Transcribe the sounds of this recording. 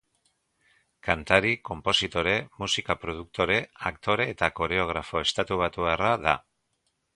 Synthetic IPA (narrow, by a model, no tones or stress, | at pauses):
kant̪aɾiko̞mpo̞sit̪o̞ɾe̞musikapɾo̞ð̞uk̚t̪o̞ɾe̞akt̪o̞ɾe̞ːt̪ako̞ɾe̞o̞ɣ̞ɾafo̞est̪at̪uβ̞at̪uaraða̰